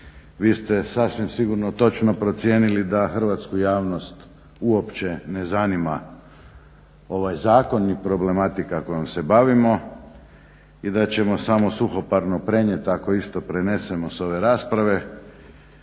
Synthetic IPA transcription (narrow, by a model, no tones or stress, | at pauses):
ʋiːst̪e̞sasʋimsiɡuɾnot̪o̞t͡ʃnopɾo̞t̪sje̞ːnilid̪axr̩ʋat̪skujaːʋno̞st̪ | uo̞pt͡ɕe̞nezanima | o̞ʋajzaːko̞nːipɾo̞ble̞mat̪ikako̞jomse̞baʋimo̞ | id̪at͡ɕe̞mo̞samosuxo̞paɾnopɾe̞ɲje̞t̪ako̞ist̪o̞pɾene̞se̞mo̞so̞ʋe̞ɾaːspɾaʋe̞